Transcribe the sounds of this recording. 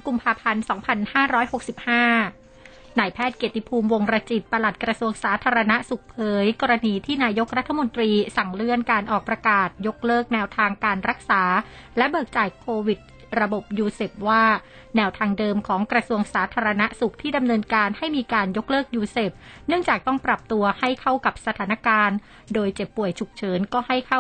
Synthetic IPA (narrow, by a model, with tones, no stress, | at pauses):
ku˧mpʰaː˧pʰa˧nsɔː˩˦ŋpʰa˧nhaː˥˩ɾɔː˦˥jho˨˩k̚si˨˩p̚haː˥˩ | naː˧˩jpʰɛː˥˩t̪̚keː˨˩t̪ːi˧˦˩pʰuː˧mwo˧ŋɾa˧t͡ɕi˨˩t̪̚pa˧la˨˩t̪̚kɾa˧su˧əŋsaː˩˦t̪ʰaː˧ɾa˧na˦˥su˨˩k̚pʰɤː˨˦jkɔː˧ɾa˧niː˧t̪ʰiː˥˩naː˧jo˦˥k̚ɾa˦˥t̪ʰːa˧mo˧nt̪ɾiː˧sa˨˩ŋlɯ˥˩ənkaː˧nʔɔː˨˩k̚pɾa˧kaː˨˩t̪̚jo˦˥k̚lɤː˥˩k̚nɛː˧wt̪ʰaː˧ŋkaː˧nɾa˦˥k̚saː˩˦lɛ˦˥bɤː˨˩k̚t͡ɕaː˨˩jkʰoː˧wi˨˩t̪̚ | ɾa˧bo˨˩p̚juː˧seː˨˩p̚waː˥˩ | nɛː˧wt̪ʰaː˧ŋdɤː˧mkʰɔː˩˦ŋkɾa˧su˧əŋsaː˩˦t̪ʰaː˧ɾa˧na˦˥su˨˩k̚t̪ʰiː˥˩da˧mnɤː˧nkaː˧nha˥˩jmiː˧kaː˧njo˦˥k̚lɤː˥˩k̚juː˧seː˨˩p̚nɯ˥˩əŋt͡ɕaː˨˩k̚t̪ɔ˥˩ŋpɾa˨˩p̚t̪u˧ɐha˥˩jkʰa˥˩wka˨˩p̚sa˧t̪ʰaː˩˦na˦˥kaː˧n | doː˧jt͡ɕe˨˩pːu˨˩əjt͡ɕʰu˨˩k̚t͡ɕʰɤː˩˦nkɔː˥˩ha˥˩jkʰa˥˩